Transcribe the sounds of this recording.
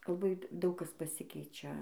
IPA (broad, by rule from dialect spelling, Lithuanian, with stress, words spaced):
lˠɐˈbɐɪ ˈdɐʊk ˈkɐs pɐˈsʲɪkʲɛɪt͡ʃʲɛ